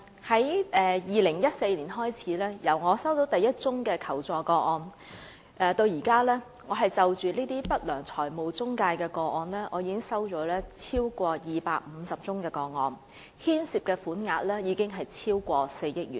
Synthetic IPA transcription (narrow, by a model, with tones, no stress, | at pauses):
hɐ˨˥jʔɛː˨˧jiː˨lɪ˨˩ŋjɐ˥t̚se˧jliː˨˩nɦɔː˥jt͡sʰiː˨˥lɛː˥jɐ˨˩wŋɔː˨˧sɐ˥wt̪o˨˥wt̪ɐ˨jːɐ˥t̚t͡sʊ˥ŋkɛː˧kʰɐ˨˩wt͡sɔː˨˧kɔː˧ɔː˧n | ʔɛː˨˩t̪o˧wjiː˨˩kaː˥lɛː˥ | ŋɔː˨˧ɦɐ˨jt͡sɐ˨wt͡ʃyː˨liː˥t̪iː˥pɐ˥t̚lœː˨˩ŋt͡sʰɔː˨˩jmo˨wt͡sʊ˥ŋkaː˧jkɛː˧kɔː˧ɔː˧nlɛː˥ŋɔː˨˧jiː˨˧kɪ˥ŋsɐ˥wt͡ʃɔː˨˥lɛː˥t͡sʰiː˥wkʷɔː˧jiː˨pa̰ː˧k̚m̩˨˧sɐ˨p̚t͡sʊ˥ŋkɛː˧kɔː˧ŋɔ̰ː˨˩n | hiː˥nsiː˨˩p̚kɛː˧fuː˨˥nŋaː˧t̚lɛː˥jiː˨˧kɪ˥ŋɦɐ˨jt͡sʰiː˥wkʷɔː˧se˧jjɪ˥k̚jy̰ː˨˩n